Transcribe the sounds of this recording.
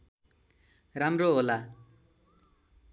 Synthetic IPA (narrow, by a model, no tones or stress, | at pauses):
ramroɦola